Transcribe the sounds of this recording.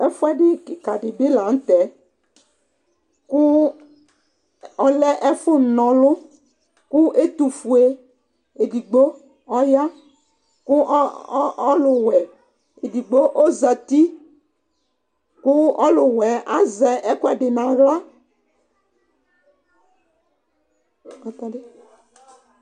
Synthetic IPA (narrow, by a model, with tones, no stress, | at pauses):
ɛ˦fʊ˦ɛ˦ɖɪ˦kɪ˨ka˨ɖɪ˨bɪ˦la˨n̩˦t̪ɛ˨˦ | kʊ˦ | ɔ˨lɛ˦ʔɛ˦fʊ˦˨nɔ̃˨lʊ˦ | kʊ˦ʔe˦t̪u˨fu˨e˨ | e˨di˨ɡ͡bo˦ | ɔ˦ja˦ | kʊ˦ʔ | lʊ˨wɛ˨ | e˨di˨ɡ͡bo˦ʔo˦za˨t̪i˦ | kʊ˦ɔ̰˦lʊ˨wɛ˨˦a˦zɛ˨ɛ˦kʊ˦ɛ˨ɖɪ˨nã˨ɣla˦ | kɔ˨t̪ɔ˦dɪ˦